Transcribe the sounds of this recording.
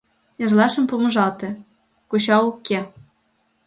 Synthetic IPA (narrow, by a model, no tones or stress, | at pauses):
ĕrlɑʃə̆mpumɤ̆ʒɑlt̪ĕ | kuɕɑukːe